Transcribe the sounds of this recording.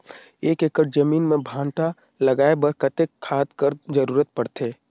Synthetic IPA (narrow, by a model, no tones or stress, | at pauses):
eːkekəʈ̚d͡ʒɐmiːnmẽbʱãːnt̪a | lɐɡaːebəɾkət̪ekʰːaːt̪kəɾd͡ʒɐɾuːɾət̪̚pɐɽt̪eː